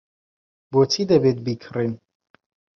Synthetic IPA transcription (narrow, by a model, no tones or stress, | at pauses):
bot͡sʰid̪ɐbet̪̚bikʰrin